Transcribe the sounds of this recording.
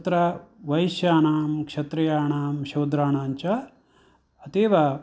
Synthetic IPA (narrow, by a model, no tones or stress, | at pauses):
t̪ɾɐʋɐjʃjaːnaːmkʂɐt̪ɾɐjaːɳaːmʃɐwd̪ɾaːɳaːɲt͡ʃɐ | ɐt̪eːʋɐ